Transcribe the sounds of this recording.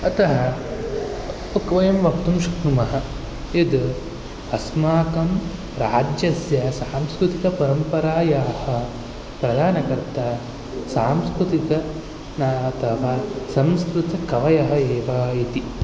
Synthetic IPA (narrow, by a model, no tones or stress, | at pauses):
ɐt̪ɐɦɐ | ɐkʋɐjɐmʋɐkt̪umʃɐknumɐɦɐ | ed̪ | ɐsmaːkɐm | ɾaːd͡ʒjɐsjɐsaːmskɾut̪ikɐpɐɾɐmpɐɾaːjaːhɐ | pɾɐd̪ʱaːnɐkɐɾt̪ɐ | saːmskɾut̪ikɐ | naːt̪ʰɐʋaːsɐmskɾut̪ɐkɐʋɐjɐɦɐeːʋaːit̪i